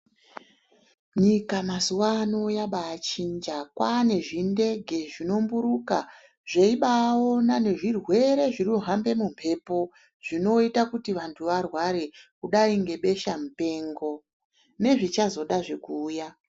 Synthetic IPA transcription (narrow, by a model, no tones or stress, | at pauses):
ɲikamazuwaːno̞jaɓaːt͡ʃind͡ʒakwane̞ʐinde̞ɡʱe̞ʐino̞mbuɾuka | ʐeiɓao̞nane̞ʐirwe̞ɾe̞ʐiruɦambe̞mumpʰe̞po̞ | ʐ̥ino̞itakutiʋantʰuʋarwaɾe̞kuɗaiŋɡe̞ɓe̞ʃamupe̞ːŋɡo̞ | ne̞ʐit͡ʃazo̞ɗaʐe̞kuːja